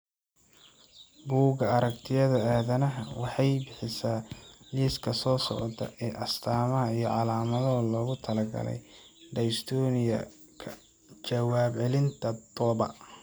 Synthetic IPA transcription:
buːɣɐɐɾɐkt̪ʰɪjɐðɐaːðɐnɐɦɐwɑħɑjbɪħɪsaːliːskʰɐsɔːsɔ̰ʕt̪ʰɐ̰ʔɛːʔɐst̪ʰaːmɐɦɐijɞʕɑlaːmɐðɔlɔːɣʊt̪ʰɐlɐɡɐ̰lɛ̰j | ɖɐjst̪ʰɔnɪjɐ̰ | kʰɐ | t͡ʃɐwaːbʕɛlɪnt̪ʰɐd̪ɔːbɐ̰

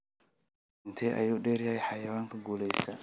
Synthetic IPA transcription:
ntʰeʔa̰judeɾjajħajawaŋkaɡulesta

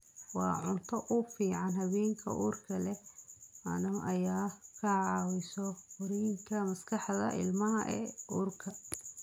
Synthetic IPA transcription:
wɑːʕʊnt̪ʰɔʔʊfiːʕɑnhɐβɛːŋkʰɐ̰ʔuːrkʰɐlɛ | ɐ̰nɐʔɐjaːkʰɐʕɑːwɪsɔfʊɾiːŋkʰɐmɐskʰɑħðɐ̰ʔɪ̰lmɐɦɐʔɛ̰ːʔuːrkʰɐ

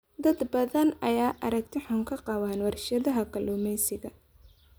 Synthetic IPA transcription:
d̪ɐd̪bɐðɐnɐjaːʔɐɾɐɡt̪ʰɛħʊŋkʰɐqɑwɐnwɑrʃɐðɐɦɐkʰɐlʊːmɛjsɪɣɐ

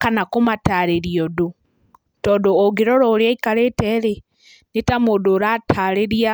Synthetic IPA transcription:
kanakomataɾeɾiɔdo | tɔdooɡeɾɔɾɔːɾjaikaɾetɛɾe | netamodoɾatʰaɾeɾia

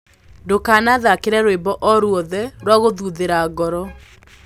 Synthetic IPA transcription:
ndokaːnaðakeɾɛɾoebɔʔɔɾwɔðɛɾwaɣoðuðeɾaɣɔɾɔ

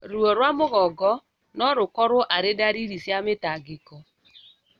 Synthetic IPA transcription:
ɾuoɾwamʊɣɔɡɔ | nɔɾʊkɔɾʊʔaɾɪdaɾiɾisjamɪtaɡɪkɔ

